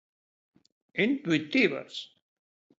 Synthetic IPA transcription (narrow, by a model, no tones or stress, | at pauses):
int̪wit̪iβa̰s